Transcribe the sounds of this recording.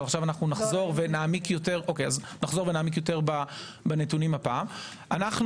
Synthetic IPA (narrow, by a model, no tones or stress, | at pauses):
aχʃavanaχnunaχzo̞ʁvenaːmikjo̞te̞ʁʔo̞kejaz | naχzo̞ʁvenaːmikjote̞ʁba | banetunimhapaːm | ʔanaχn